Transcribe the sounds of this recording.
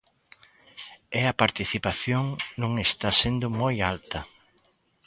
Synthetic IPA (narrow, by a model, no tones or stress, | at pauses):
ɛɐpaɾt̪iθipaθjoŋnõŋest̪asend̪ʊmojalt̪ɐ